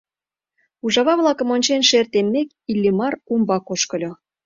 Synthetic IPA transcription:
uʒɑβɑβlˠɑkə̆monʲt͡ɕenʃert̪emːek | ilʲːimɑrumbɑkoʃkə̆lʲo

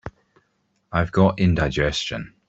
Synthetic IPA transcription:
aɪvɡɒtɪ̃ndaɪd͡ʒɛst͡ʃə̰̃n

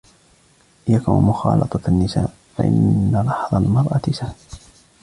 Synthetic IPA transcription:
jakunmʊxɑ̰ːlɑ̰t̪ˤɑanːɪsa̰ːʔ | fa̰ʔɪ̰nːalˤɑħðˤɑlmɑɾˤʔɑt̪ɪsah

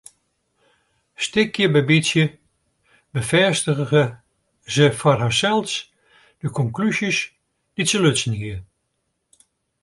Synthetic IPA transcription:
stɪkjəbɛbisjə | bəfɛːstəɣəɣə | zəfɔrhasɛlˠs | d̥əkʰɔŋklysis | d̥itsəløtsn̩hiə

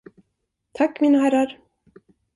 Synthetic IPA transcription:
t̪ʰakːmiːnaɦæɾːaɾ

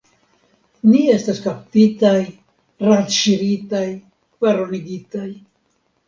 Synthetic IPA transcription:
nie̞staskaptitaj | ɾat͡ʃiɾitaj | vaɾo̞niɡitaj

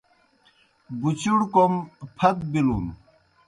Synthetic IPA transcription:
but͡ɕuɽkompʰɐt̪̚bilun

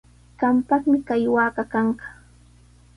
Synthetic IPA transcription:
ɢ̥ɑmpɑχmɪkajwaːɢɑkɑɴɢɑ̥

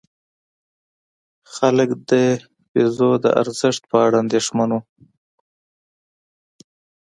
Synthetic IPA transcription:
xaləkd̪ə | fizod̪ə̰ʔa̰ɾzɪʂt̪̚pəaɽaaːnd̪eʂmanu

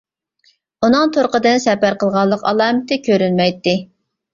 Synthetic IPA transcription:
unɨŋt̪ʰoɾqəd̪ɪnsɛpæɾqəlˠʁɑlˠːəqɑ̰lˠɑːmɪt̪ʰɪkʲʰøɾynmɛjt̪ːɪ

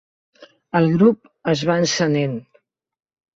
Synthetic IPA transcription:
əlˠɣɾup̚ | əzβaənsənen

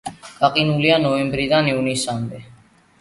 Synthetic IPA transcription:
kʼaqʼinulianɔɛmbɾiðaniunisambɛ

